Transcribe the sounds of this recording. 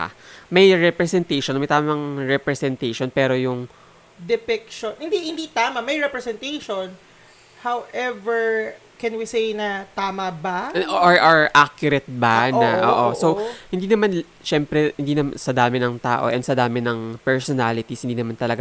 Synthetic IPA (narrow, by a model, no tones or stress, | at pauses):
a̰mɐjɹɛpɾɛsɛnt̪ejʃonmɐjt̪aːmɐmɐŋɹɛpɾɛsɛnt̪ejʃonpɛːɾo̞jʊŋ | d̪ɛpɪkʃonhɪnd̪ihɪnd̪it̪aːmɐmɐjɹɛpɹɛsɛnt̪ejʃon | hawʔɛvɛɹ | kɛ̃nwisejnɐt̪aːmɐbaʔɹʔaɹʔakjʊɾɛt̪̚banɐʔoːʔosohɪnd̪iːnɐman | ʃɛmpɾɛhɪnd̪iːnɐmsɐd̪aːmɪnɐŋt̪a̰ːʔo̰ʔɛ̰nd̪̥sɐd̪aːmɪnɐŋpɛɹsonaːlɪt̪ishɪnd̪iːnɐmant̪ɐlɐɡa